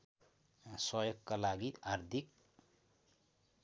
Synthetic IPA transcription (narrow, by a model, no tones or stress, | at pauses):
sʌjoɡkalaɡiard̪ʱik